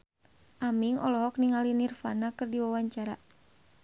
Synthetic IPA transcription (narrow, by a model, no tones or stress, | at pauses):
ʔamiŋɔ̰lɔɦɔk̚niŋalinirfanakɨrdiwawaɲt͡ʃaɾa